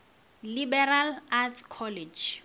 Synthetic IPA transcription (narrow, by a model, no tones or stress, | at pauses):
libɛralatkʰɔlɛd͡ʒ